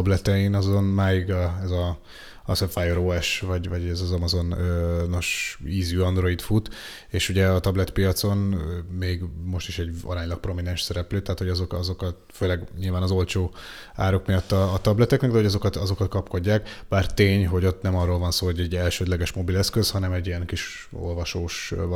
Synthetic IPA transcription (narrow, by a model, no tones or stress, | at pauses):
blɛt̪ɛjinɒzo̞nmaːjiɡɛzɒ | sɛfajoɾoɛʃvɒɟvɒɟɛzɒzɒmɒzo̞nøno̞ʃiːzjuɒnd̪ɾo̞it̪fut̪ | eːʃuɟɛɒt̪ɒblɛt̪pijɒt̪so̞nmeːɡmo̞ʃt̪iʃɛɟɒ̰ɾaːɲlɒk̚pro̞minɛnʃsɛɾɛpløːt̪ɛɦaːt̪hoɒzokɒzo̞kɒt̪føːlɛɡɲilvaːnɒzo̞lt͡ʃoː | aːɾo̞kmijɒt̪ːɒːt̪ɒblɛt̪ɛknɛɡd̪ɛɦo̞ɟɒzo̞kɒt̪ɒzo̞kɒt̪kɒpko̞ɟːaːkb̥aːrt̪eːɲɦo̞ɟo̞t̪nɛmɒrːoːlvɒnsoːɦoɟɛɟːɛlʃøːd̪lɛɡɛʃmo̞bilɛskøzhɒnɛmɛɟːiɛŋkiʃ | o̞̰lvɒʃoːʃ